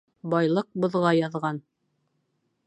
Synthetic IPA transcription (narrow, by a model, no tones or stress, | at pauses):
bɑjlˠɤq̚bŏðʁɑjɑðʁɑn